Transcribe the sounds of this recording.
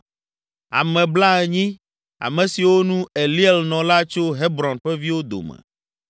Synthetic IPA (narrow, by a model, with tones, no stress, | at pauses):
a̰˨mɛ̃˨bla˦ɛ˨ɲĩ˦ | a̰˨mɛ̃˨si˨wo˦nũ˦e˨li˦e˨lnɔ̃˨la˦t͡ʃo˦ɦɛ˦bɾɔ̃˨nɸɛ˦vi˦wo˦d̪o̰˨mɛ̰̃˨